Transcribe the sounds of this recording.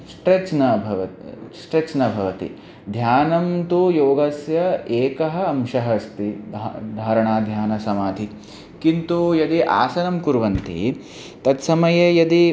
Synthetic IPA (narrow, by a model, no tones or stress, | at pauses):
sʈɾet͡ʃnɐbʱɐʋɐt̪isʈɾet͡ʃnɐbʱɐʋɐt̪ḭ | d̪ʱjaːnɐmt̪ujoːɡɐsjɐeːkɐɦɐ̆ːmʃɐɦɐst̪id̪ʱd̪ʱaːɾɐɳaːd̪ʱjaːnɐsɐmaːd̪ʱi | kint̪ujɐd̪iʔa̰ːsɐnɐmkuɾʋɐnt̪ḭ | t̪ɐt̪sɐmɐjɐjɐd̪i